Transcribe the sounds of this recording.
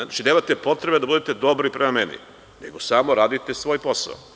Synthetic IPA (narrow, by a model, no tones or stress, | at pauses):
at͡ʃineːmat̪e̞po̞t̪ɾebed̪abud̪et̪e̞d̪o̞bɾipɾemame̞nḭ | nḛɡo̞samoɾaːd̪it̪esʋo̞ːjpo̞sa̰o̰